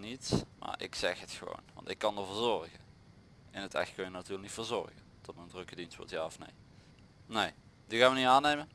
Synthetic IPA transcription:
nitma̰ːrʔɪ̰ksɛxɦətxəʋo̰wnʋɑ̰ntɪkːɑndəɹvʊːɹzɔrɣə | ɛnətɛ̰xtkønjənatyːləknitfoːɹzɔ̰rɣə | d̥ɔt̚məndrɵkədinstʋɔ̰ɹtjaːɔfnḛj | nej | diɣaːnʋəniaːnejmən

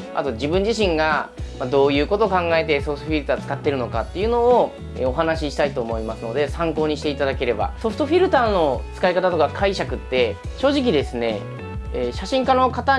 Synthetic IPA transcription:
a̰t̪o̞d͡ʑibɯ̟̃ɲ̟d͡ʑiɕĩŋɡamad̪o̞ːjɯ̟ːko̞t̪o̞kãŋɡae̞t̪e̞soɸ̟t̪oɸʲiɾɯ̟t̪aːt͡sɨ̥kat̪ːe̞ɾɯ̟no̞kat̪ːe̞jɯ̟no̞ː | ḛoɦanaɕiɕi̥t̪ait̪o̞ːmo̞imasɨno̞d̪e̞sãŋko̞ːɲ̟iɕi̥t̪e̞it̪ad̪ake̞ɾe̞ba̰so̞ɸt̪oɸʲiɾɯ̟t̪ano̞t͡sɨ̥kaikat̪at̪o̞kakʰaiɕakɯ̟t̪ːe̞ɕo̞ːʑik̬ʲid̪e̞sɨne̞̰ | eːɕaɕĩŋkano̞kat̪a

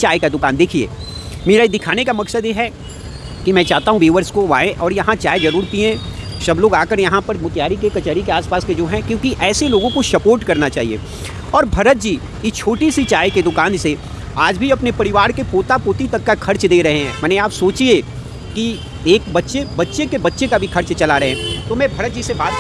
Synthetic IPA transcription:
t͡ʃaːjkad̪ʊkaːnd̪eːkʰiḛː | meːɾaid̪ɪkʰaːnekamɐksəd̪jeɦɛ | kimɛ̃ːt͡ʃaːɦt̪aɦũʋeːʋəɾskoʋaːẽʔɔːɾjɐɦãt͡ʃaːjzɐɾuːɾt̪iẽsɐbloːɡaːkəɾjɐɦãpɐɾmʊt̪jaːɾikekɐt͡ʃəɾikeaːspaːsked͡ʒoːɦɛ̃kjõːkiʔɛːseloːɡõkosɐpoːɾʈkɐɾnat͡ʃaːɦiḛː | ɔːɾbʱɐɾət̪̚d͡ʒiː | ɪst͡ʃʰoːʈisit͡ʃaːjked̪ʊkaːnse | aːd͡ʒbʱiɐpnepɐɾɪʋaːɾkepoːt̪apoːt̪it̪ɐkːakʰɐɾt͡ʃd̪eːɾɐɦeɦɛ̃ːmɛːneaːpsoːt͡ʃie | ki | eːk̚bɐtːʃebɐtːʃekebɐtːʃekabʱikʰɐɾt͡ʃt͡ʃɐlaɾɐɦeɛ̃ːt̪omɛ̃bʱɐɾət̪̚d͡ʒisebaːt̪̚

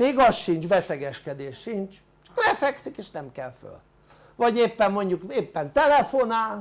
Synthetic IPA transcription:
meːɡɒsʃint͡ʃbɛsɛɡɛʃkɛd̪eːʃʃint͡ʃ | t͡ʃɒ̥klɛfɛksikeːʃnɛmkɛlfø̰l | vɒɟeːpːɛmmo̞ɲɟukeːpːɛnt̪ɛlɛfonaːl

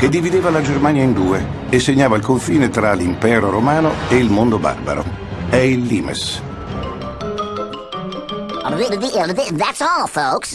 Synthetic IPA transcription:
ked̪ːivid̪eːvalad͡ʒermaːnjaind̪uːeː | sːeɲːaːvailkoɱfiːnet̪ɾalimpɛːɾoɾomaːnoeilmond̪oba̰rba̰ɾo̰ | ɛilːiːmḛs | aðidəðiʔɪlˠəðɪðætsəfoʊks

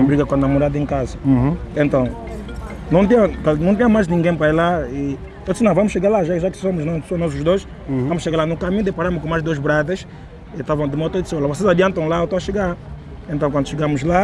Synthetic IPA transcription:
bɾiɡɐkwɐ̃nd̪ɐmoɾad̪ɐẽŋkazɐẽnt̪ɐ̃w̃ | nɐ̃w̃t̪ĩɲɐ̃kanɐ̃w̃t̪̬ĩɲɐ̃majznĩŋɡẽj̃pɾailai | ɐ̃d̪sinɐ̃w̃vamʊʃeɡaɾlaʒaʒakɪ̥somʊʒnãsõnɔz̬uʒd̪ojʃ | vamʊʃeɣɡaɾlanʊkamĩɲud̪epaɾamʊkõmajʒd̪ozbɾad̪ɐʃ | it̪avɐ̃w̃d̪ɨmɔt̪ɐid̪solɐvosezad̪iɐ̃nt̪ɐ̃w̃laewt̪aw̃aʃeɡaɾ | ẽnɐ̃w̃kɐ̃nd̪uʃeɡamuzla

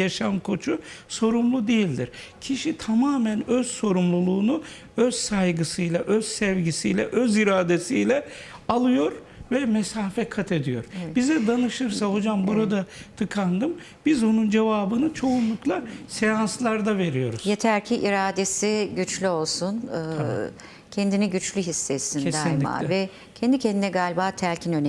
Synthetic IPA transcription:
aʃamkʰo̞t͡ʃʰuso̞ɾumlˠud̪ejilʲd̪iɾcʰiʃit̪ʰamaːmænøz̥so̞ɾumlˠulˠuːnu | øz̥sajɡɯsɯjlˠaʔøz̥sɛvɟisijlʲɛ̰ʔøziɾaːd̪e̞sijlʲɛ | alˠɯjo̞ɾ | vɛmesaːfɛkʰat̪ʰe̞d̪ijo̞̰ɾbizɛd̪anɯʃɯɾsaho̞d͡ʒambuɾad̪at̪ʰɯkʰand̪ɯm | bizonund͡ʒevaːbɯnɯt͡ʃʰo̞unlˠuklˠasejanslˠaɾd̪ave̞ɾijo̞̰ɾuz̥jet̪ʰæɾcʰiʔiɾaːd̪esiɟyt͡ʃlʲyo̞lˠsunɯː | cʰend̪inɛɟyt͡ʃlʲyɦisːesinʰed̪æinlʲma̰vɛ | cʰɛnd̪icʰɛnd̪inɛɡaːlʲbaːt̪ʰælʲcʰinøn

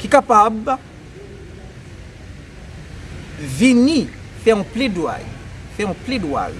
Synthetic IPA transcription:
kikapaba | vinifɛũplidwa̰lifɛŋũplidwa̰l

